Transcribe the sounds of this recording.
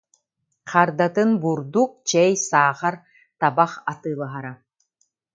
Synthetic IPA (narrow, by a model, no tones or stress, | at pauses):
qʰaɾd̪at̪ɯnbuɾd̪uk̚t͡ʃɛjsaːχaɾ | t̪abaχat̪ɯːlˠaɦaɾa